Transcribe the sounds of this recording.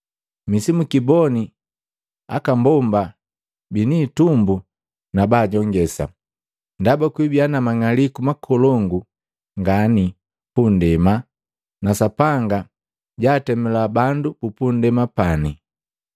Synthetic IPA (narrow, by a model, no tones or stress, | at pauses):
misimukibɔni | a̰kambɔmba | biniːtumbu | nabaːɟɔŋɡɛsa̰ | ndabakwibianamaŋalikumakʰɔlɔŋɡu | ŋɡani | pundɛma | nasapaŋɡa | ɟaːtɛmɛlabandukupundɛmapani